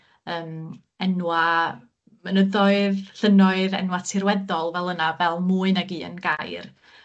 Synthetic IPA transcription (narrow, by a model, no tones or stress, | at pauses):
əːm | ɛnwa | mənəðɔɨðɬənɔɨðɛ̰nwatʰɪrwɛdɔlˠvɛlˠənavɛlˠmuːɨnaɡiːə̰nɡajr